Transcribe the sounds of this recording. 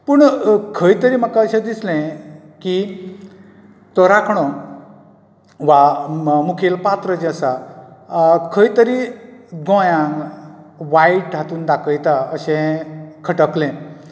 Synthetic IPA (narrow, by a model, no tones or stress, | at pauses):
pəɳkʰəjt̪əɾiːm̤akaəɕẽd̪islẽ | ki | t̪ɔɾakʰɳɔ | ʋamukʰelpat̪ɾəd͡ʑəsa | kʰəit̪əɾiɡɔ̃jãŋɡʋaiʈat̪uːnd̪akʰəjt̪aəɕẽkʰəʈəklẽ